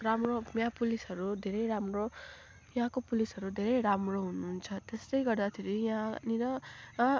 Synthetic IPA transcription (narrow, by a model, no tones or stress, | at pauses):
ramromjãpulisɦʌɾud̪ʱeɾʌjɾamro | jɦãkopulisʌɾud̪ʱeɾʌjɾamroɦununt͡sʰʌt̪est̪ʌjɡʌrd̪at̪ʰeɾijɦãninʌ